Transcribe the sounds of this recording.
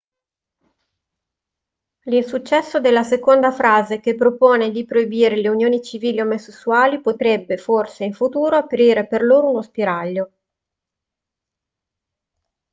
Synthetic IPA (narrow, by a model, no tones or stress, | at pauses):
linsut͡ʃːɛsːod̪elːasekond̪afɾaːzekepːɾopoːned̪ipɾoibiːɾeleunjoːnit͡ʃiviːliomosesːuaːlipot̪ɾɛbːeforseiɱfut̪uːɾoapɾiːɾeperloːɾounospiɾaʎːo